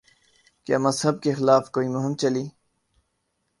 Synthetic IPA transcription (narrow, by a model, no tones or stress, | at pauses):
kja̰ːmɐzɦəb̚kexɪlaːfkoːimʊɦɪmt͡ɕɐliː